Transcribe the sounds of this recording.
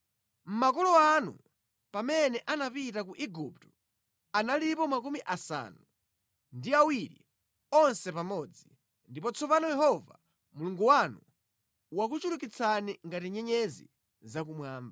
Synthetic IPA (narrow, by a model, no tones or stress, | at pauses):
m̩mak̬ɔlɔanṵ | pamɛnɛʔanapitakuʔiɡuptɔ̥ | analipɔmakumiʔasa̰ːnu | ndiawiɾḭ | ɔnsɛpamɔːd͡zi | ndipɔt͡sʰɔpanɔjɛhɔva̰ | muluŋɡuwanu | wak̬ut͡ʃuɾukit͡sʰaniŋɡatiɲɛɲɛzḭ | zak̬umwaːmba